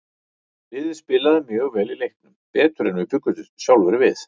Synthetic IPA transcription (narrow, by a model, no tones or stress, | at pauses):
vɪːðɪspɪlaðɪmjœːɣvɛlilejhknʏmpɛːt̪ʏɾɛnvɪpʰʏkːʏt̪ʏsjawlvɛɾvɪθ